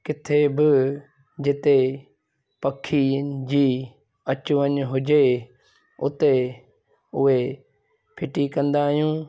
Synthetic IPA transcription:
kɪt̪ʰebɪ | d͡ʑɪt̪e | pɐkʰid͡ʑiː | ɐt͡ɕʊʋəɲɦʊd͡ʑe | ʊt̪e | ʊɦe | pʰɪʈikɐ̃nd̪aːɦijũː

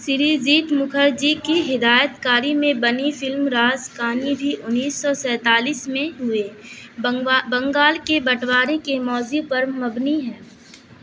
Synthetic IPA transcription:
sɪɾiziːʈ̪mʊkʰəɾd͡ʒikiɦɪd̪aːjət̪kaːɾimẽbɐnifɪlmɾaːzkaːnibʱiʔʊnːiːsːɔsɛ̃ːt̪aːliːsmẽɦʊe | bɐ̃ŋɡaːlkebɐʈʰwaːɾekemɔːzipɐɾmɐbniɦɛː

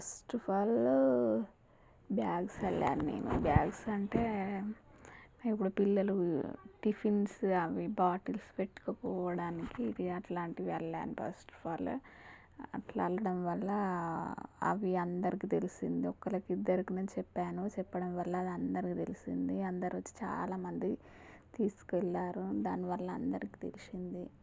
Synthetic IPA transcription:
pɐsʈpʰaːl | bjaːɡsɐlːa̰ːnunḛːnṵbjaːɡsɐɳʈe̞ː | ipːuɽupilːɐluʈipʰinsɐʋibaːʈilspeʈːi̥kɐpɔːʋɐɽaːnikiːd̪iɐʈlaːɳʈiʋɛɭːa̰ːnupɐ̰sʈpʰaːl | ɐ̰ʈlɐɐlːɐɽɐmʋɐlːɐ | ɐ̰ʋiɐnd̪ɐɾikit̪e̞lisind̪iɔkːɐlɐkiid̪ːɐɾikinɐt͡ʃɛpːaːnut͡ʃɛpːɐɽɐmʋɐlːɐɐd̪ɐnd̪ɐɾikit̪e̞lisḭnd̪iɐnd̪ɐɾiʋɐt͡ʃːi̥t͡ʃa̰ːlaːmɐnd̪i | t̪iːsu̥kɛlːaːɾud̪aːniʋɐlːɐɐnd̪ɐɾiki̥t̪ḛlisind̪i

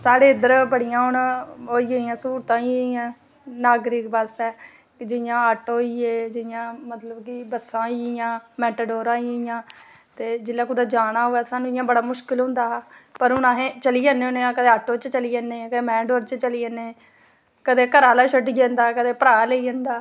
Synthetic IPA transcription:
saːɽeːɪd̪əɾbəɽijãːɦʊɳɦoːiːeiːjãːsuːɾt̪ãːiːãː | naːɡɾiːkbəsɛː | kd͡ʒɪjãːaːʈɦoːiːeːd͡ʒɪjãːmət̪ləbkibəsãːiːɪjãːmɛːʈəɖoːɾãːiːɪjãː | t̪eːd͡ʒɪlːaːkʊd̪aːd͡ʒaːɽaːɦoːɛːt̪ːsaːnũːɪjãːbəɽaːmʊʃkɪlɦʊ̃nd̪aːpəɾɦʊnãːɦẽːt͡ʃəliːeːnẽʊnːãːkəd̪eːaːʈoːt͡ʃt͡ʃəliːeːneːkəd̪eːmɛ̃ːɳɖoːɾt͡ʃt͡ʃəliːenẽː | kəd̪eːkəɾaːlaːʃəɖiːɡẽːnd̪aːkəd̪eːpəɾaːleiːɛ̃ːnd̪aː

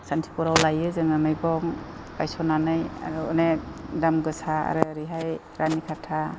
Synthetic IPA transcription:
santʰi̥puɾawlajɯzɯŋɯmɯjbɔŋ | kajsɔnanɯja̰ɾɯɔnedamɡɯsaa̰ɾɯɾiɦaj | ɾanikʰatʰa

